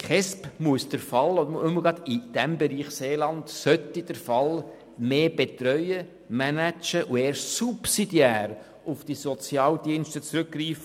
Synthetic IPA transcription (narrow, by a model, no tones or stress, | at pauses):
kχɛspmuəsd̥əɾfɑlɔdʊməɡɑd̪id̥æmbɛɾiːχseːlɑntsœt̪id̥əɾfɑl | meːb̥et̪ɾœʏjə | mænæt͡ʃəʔueːɾsupsidiæːɾ | ʊfd̥isɔt͡sjɑːldiənʃtət͡sɾʉkːriːfə